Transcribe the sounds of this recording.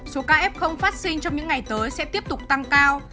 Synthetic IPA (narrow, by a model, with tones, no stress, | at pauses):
so˨˦kaː˧ʔɛ˦˥p̚xə˧wŋ͡mfaː˦˥t̚sï˧ŋ̟t͡ɕɔ˧wŋ͡mɲɨ̰˧˥ŋa˨˩jt̪əː˨˦jsɛ̰˧˥t̪i˦˥əp̚t̪ʊ˨˩k͡p̚t̪a˧ŋkaː˧w